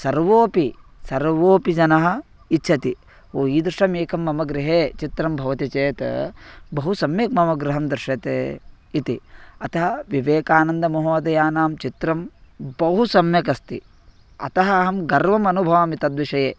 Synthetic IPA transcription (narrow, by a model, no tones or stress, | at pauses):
sɐɾʋoːpi | sɐɾʋoːpid͡ʒɐnɐɦɐ̆ | itːt͡ʃʰɐt̪i | oːiːd̪ɾɪʂɐmeːkʰɐmːɐmɐɡɾɪɦeːt͡ʃit̪ɾɐmbʱɐʋɐt̪it͡ʃeːt̪ɐ̰bɐɦusɐmjɐk̚mɐmɐɡɾɪɦɐmd̪ɾɪʂɐt̪ḛː | it̪iɐt̪ɐɦɐʋiʋeːkaːnɐnd̪ɐmɐɦuɐd̪ɐjaːnaːmt͡ʃit̪ɾɐmbɐɦusɐmjɐkɐst̪ḭ | ɐ̰t̪ɐɦɐːɦɐmɡɐɾʋɐmɐnubʱɐʋɐmit̪ɐd̪ʋiʃɐjeː